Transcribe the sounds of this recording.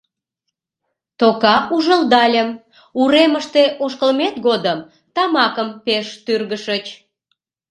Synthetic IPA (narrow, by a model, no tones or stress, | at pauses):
t̪okɑuʒəld̪ɑlʲəm | uɾeməʃt̪eʔoʃkəlmet̪ɣod̪əm | t̪ɑmɑkəmpeʃt̪yrɣəʃət͡ɕ